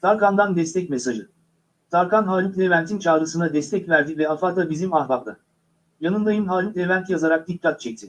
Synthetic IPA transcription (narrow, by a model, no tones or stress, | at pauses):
t̪ʰaɾkand̪and̪ɛst̪ʰɛc̚mesaʒɯ | t̪ʰaɾkanɦaːlʲuklʲevænt̪ʰint͡ʃʰaːɾɯsɯnad̪ɛst̪ʰɛcvæɾd̪ivɛafaːt̪ʰabizimahbak̪a̰ | janɯnd̪ajɯmɦaːlʲuklʲevænt̪ʰjazaɾak̚d̪ikːat̪̚t͡ʃʰɛc̚t̪ʰɪ